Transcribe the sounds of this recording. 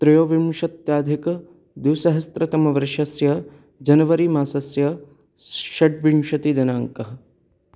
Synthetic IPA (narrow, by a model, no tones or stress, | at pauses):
t̪ɾɐjoːʋimʃɐt̪jaːd̪ʱɐkɐ | d̪usɐɦɐst̪ɾɐt̪ɐmɐʋɐɾʃɐsjɐ | d͡ʒɐnɐʋɐɾiːmaːsɐsjɐ | ʃɐʈʋimʃɐt̪id̪ɐnaːŋkɐɦɐ̆